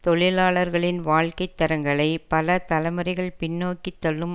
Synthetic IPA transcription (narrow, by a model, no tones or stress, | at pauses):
t̪ɔɭɪlaːɭɐɾɣɐɭɪnʋaːɭkɐɪt̪ːɐɾɐŋɡɐɭɐɪpɐlɐt̪ɐlɐɪmɐɾɪɣɐɭpɪɳːoːkːɪt̪ːɐɭːɯm